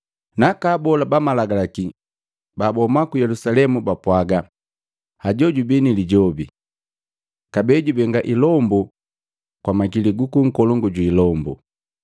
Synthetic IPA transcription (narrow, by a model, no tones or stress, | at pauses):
nakaːbɔlabamalaɡalaki | babɔmakujɛlusalɛmubapwaɡa | haɟɔɟubiniliɟɔbḭ | kabɛɟubɛŋɡaʔilɔmbu | kwamakiliɡukuŋ̩kɔlɔŋɡuɟiːlɔmbṵ